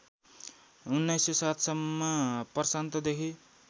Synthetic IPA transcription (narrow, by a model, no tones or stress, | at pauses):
unːajsjesat̪ʰsʌmːʌpʌrsant̪ʌd̪ekʰi